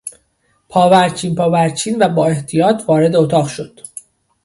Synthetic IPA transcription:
pʰɒːvæɾt͡ʃʰiːnpʰɒːvæɾt͡ʃʰiːnvæbɒːe̞ht̪ʰijɒːt̪ʰvɒːɾe̞d̪eot̪ʰɒːʁʃo̞d̪̥

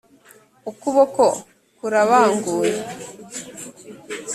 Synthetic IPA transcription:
ukuβoko | kuɾaβaːŋɡuːɾe

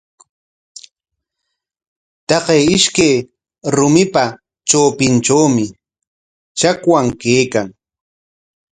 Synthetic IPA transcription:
t̪ɑqejɪʃkej | ɾʊmɪpa | t͡ʃoːpɪnʈ͡ʂawmɪ | t͡ʃakwaŋkeːkaŋ

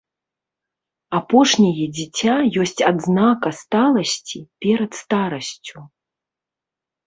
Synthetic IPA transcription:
apɔʂnʲɐjɛd͡zʲit͡sʲajɔsʲt͡sʲad̪znakɐst̪alˠɐsʲt͡sʲipʲɛɾɐt̪st̪aɾɐsʲt͡sʲu

